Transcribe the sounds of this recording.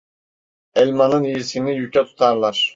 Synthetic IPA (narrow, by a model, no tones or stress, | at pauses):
ɛlʲmanɯnijisinijycʲɛt̪ʰu̥t̪ʰaɾlˠaɾ̥